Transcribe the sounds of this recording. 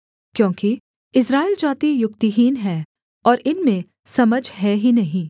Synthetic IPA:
kjõːki | ɪsɾaːild͡ʒaːt̪ijʊk̚t̪iɦiːnɦɛː | ɔːɾɪnmẽ | sɐməd͡ʒʱɦɛɦinɐɦĩ

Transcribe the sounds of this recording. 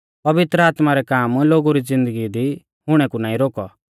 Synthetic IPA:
pɐʋɪt̪ɾəaːt̪maɾɛkaːmloːɡuɾid͡zɪ̃nd̪əɡid̪i | ɦʊɽ̃ɛkunãːĩɾoːkɔ̰

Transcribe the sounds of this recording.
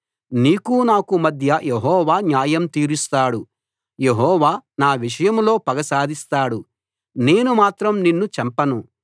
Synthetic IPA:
niːkunaːkumɐd̪ʱjɐjeɦɔːʋaːnjaːjɐmt̪iːɾust̪aːɽu | je̞ɦɔːʋaːnaːʋiʂ̬ɐjɐmlo̞ːpɐɡɐsaːd̪ʱist̪aːɽu | ne̞ːnumaːt̪ɾɐmninːut͡ʃɐmpɐnu

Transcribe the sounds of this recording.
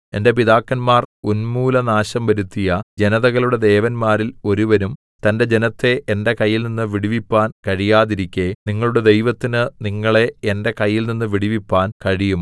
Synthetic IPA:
e̞nde̞p̬iðaːkːɐnmaːrunmuːlɐnaːɕɐmʋɐɾut̪ːijɐd͡ʑe̞nɐðɐɣɐɭuɽe̞d̪e̞ːʋɐnmaːɾilo̞ɾuʋɐnum | t̪ɐnde̞d͡ʑe̞nɐt̪ːe̞ʔːnde̞kɐjːilninːɨʋiɽiʋipːaːnkɐɻijaːðiɾikʲːe̞niŋːɐɭuɽe̞d̪e̞jʋɐt̪ːinɨniŋːɐɭe̞ende̞kɐjːilninːɨʋiɽiʋipːaːnkɐɻijum

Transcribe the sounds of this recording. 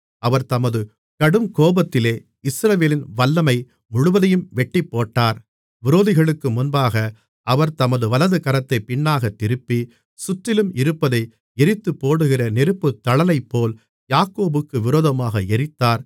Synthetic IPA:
ɐʋɐɾt̪ɐmɐðɯ | kɐɽɯmkoːbɐt̪ːɪleː | ɪsɾɐʋeːlɪnʋɐlːɐmɐɪ | mʊɻʊʋɐðɐjɯmʋɛʈːipːoːʈːaːɾ | ʋɪɾoːðɪɣɐɭɯkːɯmʊnbaːɣɐ | ʔɐʋɐɾt̪ɐmɐðɯʋɐlɐðɯkɐɾɐt̪ːɐɪpɪɳːaːɣɐt̪ːɪɾɯpːi | sʊʈːɪlɯmɪɾɯpːɐðɐɪ | ɛɾɪt̪ːɯpːoːɽɯɣɪrɐnɪɾɯpːɯt̪ːɐɭɐlɐɪpːoːl | jaːkoːbɯkːɯʋɪɾoːðɐmaːɣɐɛɾɪt̪ːaːɾ

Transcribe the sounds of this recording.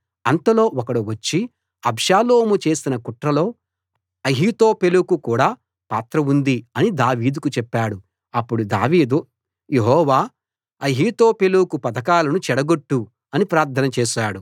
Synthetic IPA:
ɐnt̪ɐlo̞ːʔɔkɐɽuʋɐt͡ʃːi | ɐbʃaːloːmut͡ʃe̞ːsinɐkuʈɾɐlo̞ː | ɐɦiːt̪oːpelukukuːɽaː | paːt̪ɾɐund̪iɐnid̪aːʋiːd̪ukut͡ʃɛpːaːɽu | ɐpːuɽud̪a̰ːʋiːd̪ | jeɦɔːʋaː | ɐɦiːt̪o̞ːpe̞lukupɐt̪ɐkaːlɐnut͡ʃɛɽɐɡo̞ʈːu | ɐnipɾaːɾt̪ʰːɐnɐt͡ʃeːʃaːɽu

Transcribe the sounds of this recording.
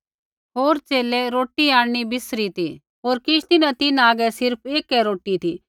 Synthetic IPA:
ɦoːɾt͡ʃeːlɛɾoːʈːiaːɽɽ̃ibɪsɾit̪i | ɦoːɾkɪʃt̪ɪnãt̪ɪnaːɡɛsɪɾpʰeːkɛɾoːʈit̪ʰiː

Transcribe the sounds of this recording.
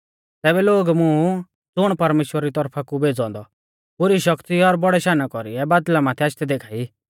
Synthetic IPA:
t̪ɛːbɛloːɡmʊ̃ | d͡zʊɽ̃pɐɾmeːʃwəɾaɾit̪ɔɾpʰakubeːd͡zɔ̃ːnd̪ɔ | pʊɾiʃɐkt̪iɔɾbɔɽɛʃaːnakɔɾḭɛbaːd̪lamãːt̪ʰɛaːt͡ʃt̪ɛd̪eːkʰaːi

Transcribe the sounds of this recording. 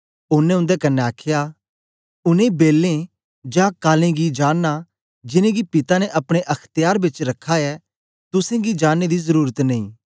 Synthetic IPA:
ʊnẽʊ̃nd̪ekɐnːeaːkʰja | ʊnẽbeːlːẽ | d͡ʒãkaːlẽɡid͡ʒaːnːa | d͡ʒɪnẽɡipɪt̪anɛʔɐpɽ̃eʔɐkʰt̪ɪjaːɾbɪt͡ʃɾɐkʰːaɛ | t̪ʊsẽɡid͡ʒaːnːed̪izɐɾuːɾət̪nɐḭ̃ː

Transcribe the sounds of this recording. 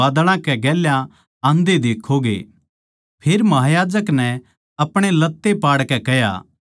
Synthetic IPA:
aːd̪ɽ̃ãkɛɡɛːljã | ãːnd̪ed̪eːkʰːoɡḛː | pʰeːɾmɐɦaːjaːd͡ʒəknɛ | ɐpɽ̃elɐt̪ːepaːɽkɛkɛja̰ː

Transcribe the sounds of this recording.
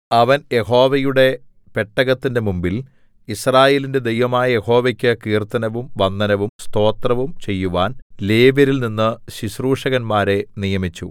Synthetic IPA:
ɐʋɐnje̞ho̞ːʋɐjuɽe̞ | pe̞ʈːɐɣɐt̪ːinde̞mumbil | israːje̞ːlinde̞d̪e̞jʋɐmaːjɐje̞ho̞ːʋɐkʲːɨkiːrt̪ɐnɐʋumʋɐnd̪ɐnɐʋumst̪o̞ːt̪rɐʋumt͡ɕe̞jːuʋaːnle̞ːʋɐɾilninːɨɕiɕruːʂɐɣɐnmaːɾe̞nijɐmit͡ɕːu

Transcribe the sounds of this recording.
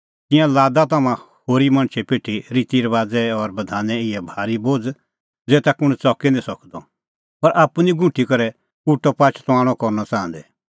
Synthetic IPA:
t̪ɪ̃jãlaːd̪at̪ɐmãhoːɾimɐ̃ɽ̃t͡ʃʰɛpeːʈʰːiɾit̪iɾɛʋaːd͡zɛɔɾbɐd̪ʱaːnɛɪɛbʱaːɾiboːd͡z | d͡zɛːt̪ɛkʊɽ̃t͡sɔkɛnẽsɔkd̪ɔ | pɐɾʔaːpuniɡʱʊ̃ʈʰikɐɾɛ | kuʈɔpaːt͡ʃʰt̪ɔaːɽ̃ɔkɔɾnɔt͡sãːə̃nd̪ɛ

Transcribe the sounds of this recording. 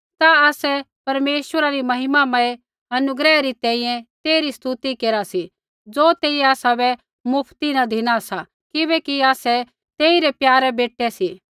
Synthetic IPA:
t̪aaːsɛ | pɐɾmeːʃwəɾaɾimɐɦɪmamãe | ɐnʊɡɾɛːɾit̪ɛ̃ːĩːjɛ̃t̪eːɾist̪ut̪ikeːɾasi | d͡zoːt̪eːiɛaːsabɛ | mʊpʰt̪inad̪ʱiɽ̃asa | kɪbɛkiaːsɛ | t̪eːiɾɛpjaːɾɛbeːʈːɛsiː

